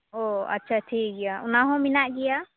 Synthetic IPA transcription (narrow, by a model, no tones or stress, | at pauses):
oa̰tːʃʰaʈʰiɡɛjaunaɦɔ̃minaʔɡɛja